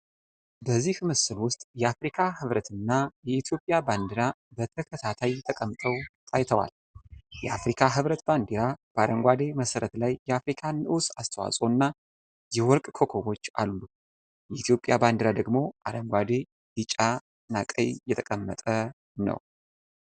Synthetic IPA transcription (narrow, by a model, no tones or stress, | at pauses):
bəzːihmɨsɨlwʊst̪ʼjɛafɾikʰahɨβɾət̪ʰɨnːajɛit̪ʰjo̞pʼjaband̪iɾabət̪ʰəkʰət̪ʰat̪ʰajt̪ʰəkʼəmːt̪ʼʰəwt̪ʼʰajt̪ʰəwa̰l | jɛʔafɾikʰaɦɨβɾət̪band̪iɾab̥əaɾəŋɡʷad̪e̞məsəɾət̪lajːɛafɾikʰanɨwsast̪ʰəwa̰sʼo̞nːa | jɛwɔɾkʼkʰo̞kʰowo̞t͡ʃːa̰lːu | jɛʔit̪ʰjo̞pʼjaband̪əɾad̪əɡmo̞ʔaɾəŋɡʷad̪e | dɨt͡ʃʼa | nakʼə̰jjɛt̪ʰəkʼəmːə̰t̪ʼə | nə̰w